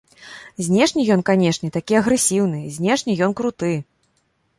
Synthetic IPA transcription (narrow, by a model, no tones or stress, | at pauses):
zʲnʲɛʂnʲijɔnkanʲɛʂnʲɛt̪akʲiɐɣɾɛsʲiwn̪ɨzʲnʲɛʂnʲijɔnkɾut̪ɨ